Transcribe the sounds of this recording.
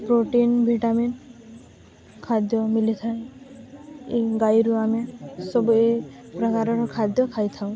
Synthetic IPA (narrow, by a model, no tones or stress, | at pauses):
pɾoʈinbʱiʈamin | kʰad̪jɔmilit̪ʰaj̃ | iɡajɾuamesɔbue | pɾɔkaɾɔɾɔkʰad̪jɔkʰajt̪ʰaw̃